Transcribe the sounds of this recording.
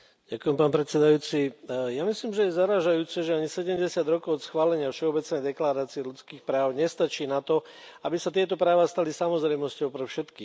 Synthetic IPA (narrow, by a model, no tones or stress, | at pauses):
ɟ̥akʊjɛmpaːnpɾɛt̪sɛd̪ajuːt͡sijamisliːmʒɛjɛzaɾaːʒajuːt͡sɛʒɛaɲisɛɟɛmɟɛsɪad̪ɾɔkɔʊɔt̪sxʋaːlɛɲɪafʃɛɔbɛt͡snɛjd̪ɛklaːɾaːt͡siɛlut͡skiːxpɾaːʊɲɛst̪at͡ʃiːnat̪ɔ | abisat̪ɪɛt̪ɔpɾaːʋast̪alisamɔzɾɛjmɔscɔʊpɾɛfʃɛt̪kiː